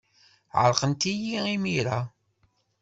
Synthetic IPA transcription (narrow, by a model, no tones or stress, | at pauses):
ʕə̰ɾqənt̪ijiimiɾa